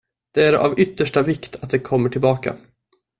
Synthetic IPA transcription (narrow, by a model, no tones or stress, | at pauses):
d̪̥ɛæɾa̰vʏt̪ːəʂʈavɪkt̪ʰat̪̚d̪ɛkʰɔmːəʈʰɪlbɑːka̰